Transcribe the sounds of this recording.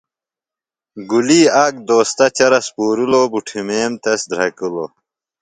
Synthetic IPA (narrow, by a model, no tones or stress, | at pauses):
ɡuliːaːkd̪oːst̪ɐt͡ɕɐɾɐspuːɾulobuʈʰimeːmt̪ɐsd̪ɾɐkulo̰